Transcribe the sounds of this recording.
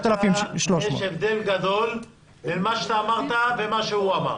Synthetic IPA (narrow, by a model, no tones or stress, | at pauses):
t̪alafimʃloʃjeʃevd̪e̞lɡad̪o̞l | elmaʃet̪aːmaʁt̪ave̞maʃeuama̰ʁ